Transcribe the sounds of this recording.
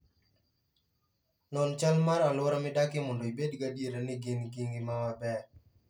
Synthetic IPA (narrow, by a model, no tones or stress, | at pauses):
nɔnt͡ʃalmaɾalwɔɾamɪdakɪmɔndoibedɡadjeɾanɪɡɪnɡɪŋɡɪmawabɛr